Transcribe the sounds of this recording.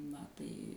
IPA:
nɐ ˈtɐɪ

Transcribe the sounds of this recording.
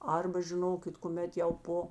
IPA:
ˈɐrbɐ ʒʲɪˈnoːkʲɪt kʊˈmʲɛt jɛʊ ˈpoː

